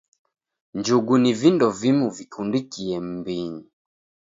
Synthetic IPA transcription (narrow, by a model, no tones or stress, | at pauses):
ɲd͡ʒuɡunivindɔvimuvikʰundikiɛm̩biɲi